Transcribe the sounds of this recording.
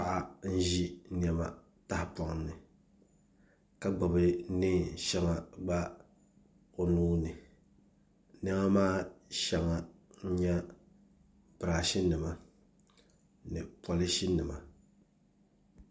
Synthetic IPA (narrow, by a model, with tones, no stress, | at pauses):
pa˨ʔa˦n̩˦ʒi˦nɛ˨ma̰˨ | ta˦hpɔ˨ŋ˦nɨ˨ | ka˦ɡ͡ba˨bɨ˨˦nɪ˦ʃɛ˦ŋa˨ɡ͡ba˦ | o˨nuː˦nɨ˨ | nɛ˦ma˦maː˦ʃɛ˨ŋa˨n̩˦ɲɛ˦ | bɨ˨ɾaː˨ʃi˦nɨ˨ma˨ | nɨ˨pɔ˨lɪ˦ʃi˦nɨ˨ma˨